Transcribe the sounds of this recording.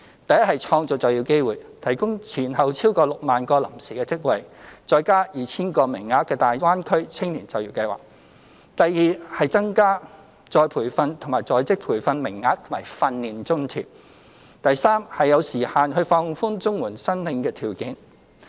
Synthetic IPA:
t̪ɐ˨jɐ˥t̚hɐ˨jt͡sʰɔː˧ŋt͡sʊ˨k̚t͡sɐ˨wjiː˧wke˥jwuː˨˩jt̪ʰɐ˨˩jkʊ˥ŋt͡sʰiː˨˩nɦɐ˨wt͡sʰiː˥wkɔː˧lʊ˨k̚maː˨˩nkɔː˧lɐ˨˩msiː˨˩kɛː˧t͡sɪ˥k̚wɐ˨jt͡sɔː˨˧jkaː˥jiː˨t͡sʰiː˥nkɔː˧mɪ˨˩ŋːaː˧˥t̚kːɛː˧t̪aː˨˩jwaː˥nkʰɵ˥ɥt͡sʰɪ˥ŋliː˨˩nt͡sɐ˨wjiː˧wkɐ˧jwa̰ː˨˩k̚ | t̪ɐ˨jːiː˨˩hɐ˨jt͡sɐ˥ŋkaː˥ | t͡sɔː˨jpʰuː˨˩jfɐ˧nt̪ʰʊ˨˩ŋmaː˨˩jt͡sɔː˨˧jt͡sɪ˥k̚pʰuː˨˩jfɐ˧nmɪ˨˩ŋːaː˧˥k̚t̪ʰmaː˨˩jfɐ˧nliː˨nt͡sʊ˥ŋt̪ʰḭ˨˩p̚ | t̪ɐ˨jsaː˥mhɐ˨jːɐ˨˧wsiː˨˩haː˨nhɵ˧ɥfɔː˧ŋfuː˥nt͡sʊ˥ŋwuː˨˩nsɐ˥ŋlɪ˨˧ŋkɛː˧t̪ʰiː˨˩wkɪ˨˥ŋ

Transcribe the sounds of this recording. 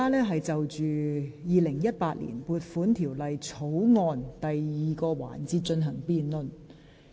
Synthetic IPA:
aː˥lɛː˥ɦɐ˨jt͡sɐ˨wt͡ʃyː˨jiː˨lɪ˨˩ŋjɐ˥t̚paː˧˥t̚lḭː˨˩npuː˨˧t̚fuː˨˥nt̪ʰiː˨˩wlɐ˨jt͡sʰo˨˥wŋɔː˧nt̪ɐ˨jːiː˨kɔː˧wa̰ː˨˩nt͡siː˧t̚t͡ʃɵ˧nɦɐ˨˩ŋpiː˨nlɵ˨˧n

